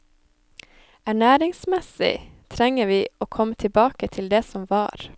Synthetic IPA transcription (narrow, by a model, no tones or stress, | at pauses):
æɳæːɾɪŋsmɛsɪ̰t̪ʰɾɛŋəʋiːoːkʰɔmːət̪ʰɪlbɑːkət̪ʰɪld̪eːsɔmʋɑ̰ːɾ